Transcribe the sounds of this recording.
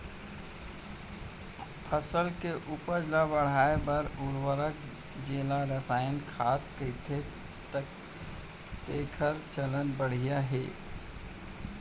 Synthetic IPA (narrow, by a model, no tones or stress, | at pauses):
pʰəsəlkeʔʊpəɾd͡ʒlabəɽ̤aːebəɾuɾwəɾək | d͡ʒeːlaɾəsaːjənkʰaːt̪̚kəɪt̪ʰe | t̪ək̚ | t̪eːkʰəɾt͡ʃələnbəɽ̤ijaɦɛ̰ː